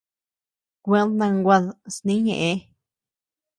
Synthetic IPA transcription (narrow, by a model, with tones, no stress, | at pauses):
kʷe˦nã˧ŋɡʷa˧ðsnĩ˦ɲḛ̃˨ʔẽ˧˦